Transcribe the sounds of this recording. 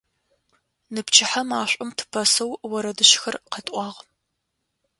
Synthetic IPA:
nɨpt͡ʃʰɪħamaːɕʷʼʊmtʰɨ̥pʰɐsɐwwɐɾɐdɨʃxɐrqɐtʼʷɑːʁ

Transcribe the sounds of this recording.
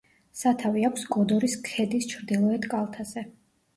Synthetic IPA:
sat̪ʰaviakʰʷsɡɔd̪ɔɾiskʰɛd̪ist͡ʃʰɾd̪ilˠɔɛt̪kʼalˠt̪ʰaz̥ɛ

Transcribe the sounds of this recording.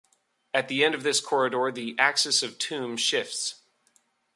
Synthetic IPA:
ɨt̪̚ðiɛ̃ndʌvðɪskʰɔɹɨɾɔɹðiʔæksɨsʌv̥tʰʉ̃mʃɪfts

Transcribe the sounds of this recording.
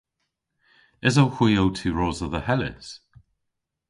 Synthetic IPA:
ɪzowxw̥iːowtʰuːɹɔːzəðəhɛlɪ̰s

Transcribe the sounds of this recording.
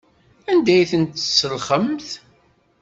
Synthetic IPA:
ænd̪æjθənt̪sːəlχəmθ

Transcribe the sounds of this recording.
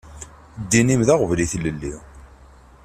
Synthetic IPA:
d̪ːinimðaʁvliθləlːi

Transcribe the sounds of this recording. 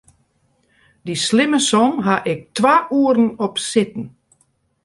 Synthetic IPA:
dislɪməsɔmɦaʔɪk̚tʰʋaːʔuəɾn̩ɔpsɪtn̩

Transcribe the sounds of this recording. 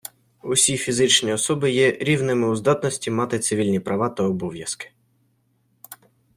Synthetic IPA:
ʊsʲifʲizɪt͡ʃnʲiɔsɔbɪjɛɾʲiwnɪmɪʊzd̪ɑt̪nɔsʲtʲimɑt̪ɪt̪sɪʋʲilʲnʲipɾʔɐʋɑt̪ɐɔbɔʋʲjɐskɪ̥

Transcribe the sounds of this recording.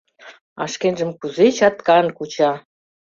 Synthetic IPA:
ɑ̰ʃkenʒə̆mkuzet͡ɕɑt̪kɑnkut͡ɕɑ

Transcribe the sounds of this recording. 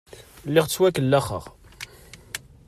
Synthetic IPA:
lːɪʁt͡sːwækəlːæχə̰ʁ

